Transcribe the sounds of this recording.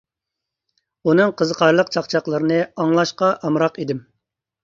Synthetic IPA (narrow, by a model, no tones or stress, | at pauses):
unɨŋqʰəzəqʰɑɾlˠəqt͡ʃʰɑqt͡ʃʰɑqlˠəɾɨnɨɑŋlˠɑʃqɑʔɑmɾɑqid̪ɪm